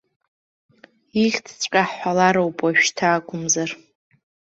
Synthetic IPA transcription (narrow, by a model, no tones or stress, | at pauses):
iχʲt͡sʰt͡sʷʼqʲʼaħħʷalaɾowpʼaʃᶣtʰaːkʷʼʊmzar